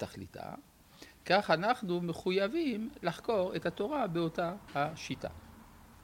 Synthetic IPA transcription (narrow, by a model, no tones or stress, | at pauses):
t̪aχlḭt̪a̰ | kaχanaχnumeχujavimlaχko̞ʁethat̪o̞ʁabeo̞tahaʃita̰